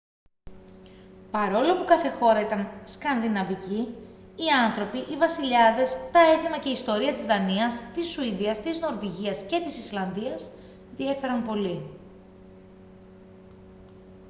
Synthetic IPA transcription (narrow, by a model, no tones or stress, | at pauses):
pɐɾo̞lo̞pukɐθe̞xo̞ɾɐit̪ɐnskɐnðinɐviciː | ɐnθɾo̞piʔivɐsiʎɐðe̞st̪ɐe̞θimɐce̞ist̪o̞ɾiɐt̪izðɐniɐst̪isuiðiɐst̪izno̞ɾviʝiɐsce̞t̪isislɐnðiɐs | ðie̞fe̞ɾɐnpo̞li